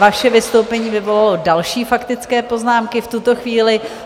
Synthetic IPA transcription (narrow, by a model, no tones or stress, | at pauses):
vaʃɛvɪst̪owpɛɲiːvɪvo̞lalo̞dalʃiːfakt̪ɪt͡skɛːpo̞znaːmkɪft̪ut̪o̞xviːlɪ